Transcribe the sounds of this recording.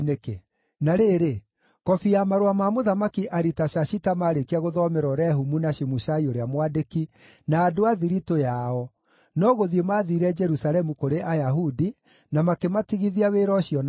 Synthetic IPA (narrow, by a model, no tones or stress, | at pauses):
neke | naɾeɾe | kɔfiamaɾoamamoðamakiʔaɾitaʃaɕitamaɾekiaɣoðɔmɛɾɔɾɛɦumunaʃimuʃaioɾeamwadeki | naːdoaðiɾitojaɔ | nɔɣoðiemaːðiɾɛd͡ʒɛɾusalɛmukoɾeʔajaɦudi | namakematiɣiðiaweːɾɔɕiɔn